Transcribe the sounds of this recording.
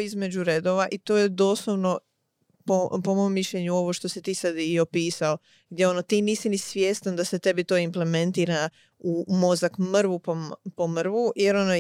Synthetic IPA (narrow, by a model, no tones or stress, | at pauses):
izme̞d͡ʑuɾed̪o̞ʋaʔit̪oːje̞d̪o̞ːslˠoʋno̞ | popo̞mo̞mːiʃʎeɲuo̞ʋo̞ʃt̪o̞sit̪iːsad̪iopiːsao | ɡd̪jeo̞no̞t̪iːniːsinisʋjest̪and̪ase̞t̪e̞bit̪o̞ːimple̞mẽ̞nt̪iːɾa | umo̞zakmr̩ʋupopo̞mr̩ʋujeɾo̞no